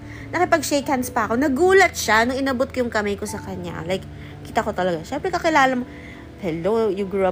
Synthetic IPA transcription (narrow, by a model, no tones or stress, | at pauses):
nɐkɪpɐɡ̚ʃekhɐnspɐʔɐko̞nɐɡuːlɐt̪̚ʃanʊŋɪnɐbot̪̚kojʊŋkɐmɐjko̞sɐkɐɲa̰lajk | kːiːt̪ɐko̞t̪ɐlɐɡaʃɛmpɾɛkɐkɪlaːlɐmo | hɛlojʊɡɹuɐ